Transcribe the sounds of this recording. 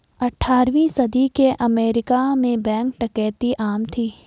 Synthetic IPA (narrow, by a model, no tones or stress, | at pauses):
ɐʈʰːaːɾʋĩsɐd̪ʱikeʔɐmeːɾɪkamẽbɛ̃ːŋk̚ʈɐkɛːt̪iʔaːmt̪ʰiː